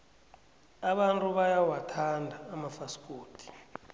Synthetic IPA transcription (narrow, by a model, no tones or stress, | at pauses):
aɓantʼuɓajawatʰandʱaːmafaskʼoːtʰʼi̥